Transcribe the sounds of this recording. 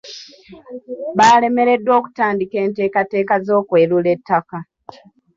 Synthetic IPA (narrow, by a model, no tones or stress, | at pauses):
βaːle̞me̞ɾe̞dːwo̞ːku̥taːndike̞ːnte̞ːkate̞ːkazo̞ːkwe̞ːɾule̞tːaka